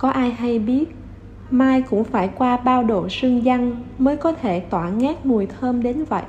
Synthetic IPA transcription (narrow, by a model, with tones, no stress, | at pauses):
kɔ˨˦ʔaː˧jɦa˧jɓi˦˥ət̚ | maː˧jkʊ̰˧˥ŋ͡mfaː˧˩jkwaː˧ɓaː˧wɗo˧˩sɨ˧ŋza˧ŋməː˨˦jkɔ˨˦t̪ʰe˧˩t̪waː˧˩ŋɛː˦˥t̚mu˨˩əjt̪ʰəː˧mɗe˨˦nvə̰˧˨j